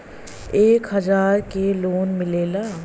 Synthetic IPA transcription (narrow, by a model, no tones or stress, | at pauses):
eːkɦɐzaːɾkeloːnmɪleːla